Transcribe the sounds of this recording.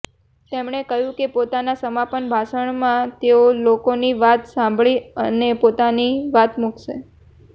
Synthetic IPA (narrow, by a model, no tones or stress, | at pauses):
t̪emɳekəɦjũkepot̪anasəmapənbʱaʃəɳmãt̪eolokoniʋat̪sãmbʱɭiənepot̪aniʋat̪mukʃḛ